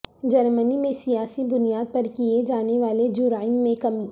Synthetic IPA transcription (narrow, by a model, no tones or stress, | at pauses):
d͡ʒɐɾmənimẽsijaːsibʊnijaːd̪̚pɐɾkied͡ʒaːneʋaːled͡ʒʊɾaːɪmːẽkɐmiː